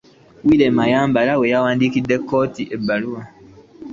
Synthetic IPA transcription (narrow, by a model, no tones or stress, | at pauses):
wilɛmajambaɾawejawandikidɛkɔːtiʔebaɾuwa